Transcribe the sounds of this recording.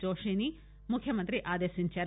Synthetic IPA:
t͡ʃoːʃiːni | mʊkʰjɐmɐnt̪ɾiʔaːd̪eːsint͡ʃeɾ

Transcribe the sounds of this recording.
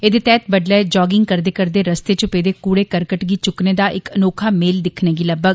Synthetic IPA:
eːd̪eːt̪ɛːt̪̚bəɖlɛːd͡ʒɔːɡɪŋɡ̚kəɾd̪eːkəɾd̪eːɾəst̪eːt͡ʃʊpeːd̪eːkuːɽeːkəɾkəʈɡiːt͡ʃʊkneːd̪aːʔɪkənoːkʰaːmeːld̪ɪkʰneːɡiːləbəɡ

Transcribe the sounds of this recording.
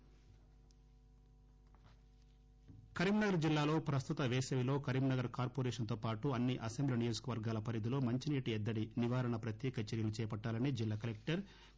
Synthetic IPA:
kɐɾiːmnɐɡɐɾd͡ʒilːaːlo̞ːpɾɐst̪ut̪ɐʋeːsɐʋilo̞ːkɐɾimnɐɡɐɾkaːɾpoɾeːʂɐnt̪oːpaːʈuɐnːiʔɐsembliɐnijoːd͡ʒu̥kɐʋɐɾɡaːlɐpɐɾjid̪ulo̞ːmɐɲt͡ʃiniːʈiɛd̪ːɐɽiniʋaːɾɐɳɐpɾɐt̪jɛːkɐt͡ʃɐɾjɐlut͡ʃɛːjɐpɐʈːaːlɐnid͡ʒilːaːkɐlek̚ʈɐɾ

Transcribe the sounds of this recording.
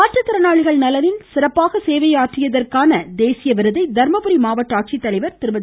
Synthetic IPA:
aːʈrɐt̪ːɪɾɐnaːɻɪɣɐɭnɐlɐnɪnsɪɾɐpːaːɣɐseːʋɐjaːʈrɪjɐðɐrkaːnɐd̪eːsɪjɐʋɪɾɯðɐɪd̪ɐɾmɐpʊɾimaːʋɐʈːaːʈ̚t͡ʃit̪ːɐlɐɪʋɐɾt̪ɪɾɯbɐð

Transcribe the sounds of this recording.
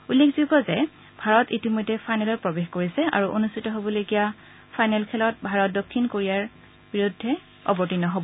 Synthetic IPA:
ulːekʰzuɡɔzɛ | bʱaɹɔtitimɔjdʱːɛpʰajnɛlɔpɹɔbexkoɹisɛʔa̰ɹuʔonustʰitɔɦobɔlokija | pʰajnɛlkʰɛlɔt̚bʱaɹɔt̚dokʰːinkoɹijaɹ | biɹudʱːɛ | ɔ̰bɔtinɔɦɔbɔ

